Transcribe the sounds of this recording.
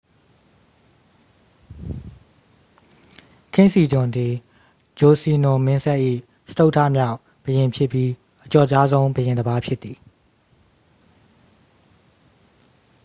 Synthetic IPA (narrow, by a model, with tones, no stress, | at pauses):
kʰɪ̃˦˨nsi˨d͡ʑʊ̃˨nd̪ði˨ | d͡ʑo˨si˨nʊ˨mɪ̃˦nsɛ˦ʔḭ˦˨ | sə̥to˦ʊʔtʰä̰˦˨mja˦ʊʔ | b̥əjɪ̃˨mpʰjɪ˦pji˦ | ʔət͡ɕɔ˨t͡ɕa˦zõ˦ʊ̃mbəjɪ̃˨nd̪əba˦pʰjɪ˦t̪ːi˨